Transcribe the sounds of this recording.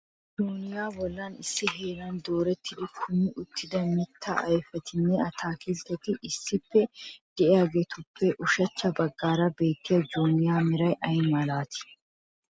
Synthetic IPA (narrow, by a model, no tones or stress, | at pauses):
d͡ʒoːnɪjaːbɔlːɐnɪsːɪɦe̞ːlɐnd̪o̞ːɾɛt̪ʰːɪd̪ɪkʰʊnɪʔʊt̪ʰːɪd̪ɐmɪt̪ʰːɐ̰ʔɐjfɛt̪ɪnːɛɐt̪ʰaːkɪlt̪ːɛt̪ɪʔɪsːɪpːɛd̪̥ɛʔɪjaːɡeːt̪ʊpʰːɛʔʊʃɐt͡ʃːɐbɐɡːaːɾɐbe̞ːt̪ːɪjɐd͡ʒoːnɪjaːmɪɾɐjʔɐjmɐlaːt̪ɪ̥